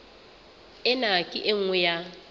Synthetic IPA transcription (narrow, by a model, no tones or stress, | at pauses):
ɪnakʼɪ̰ʔeŋ̩ŋwɛja